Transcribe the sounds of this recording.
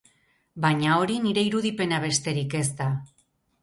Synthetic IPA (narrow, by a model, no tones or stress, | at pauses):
baɲao̞ɾiniɾe̞iɾuðipe̞naβ̞e̞st̪e̞ɾike̞zt̪a